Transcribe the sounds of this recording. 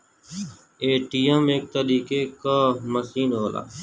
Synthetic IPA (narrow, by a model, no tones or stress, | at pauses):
eːʈiːəmeːk̚t̪əɾiːkeːkaːməsiːnɦoːla̰ː